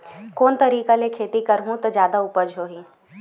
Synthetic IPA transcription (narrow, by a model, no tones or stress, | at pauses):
koːnt̪ɐɾiːkalekʰeːt̪ikɐɾɦũt̪ɐd͡ʒjaːd̪aʊpəd͡ʒɦoːɦĩː